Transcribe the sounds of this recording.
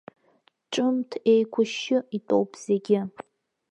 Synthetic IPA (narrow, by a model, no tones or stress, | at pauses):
ʈ͡ʂʼʊmtʰejkʷʰʊʃɪitʼo̰wpʰʼz̥e̞ɡʲɪ